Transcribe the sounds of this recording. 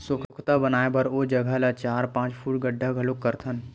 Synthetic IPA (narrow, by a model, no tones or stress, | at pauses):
sʊkʰkʰt̪abənaːebɐɾoːd͡ʒɐɡʱəlat͡ʃaːɾpãːt͡ʃpʰuːʈɡəɖʱːaɡʱəlokːəɾt̪ʰən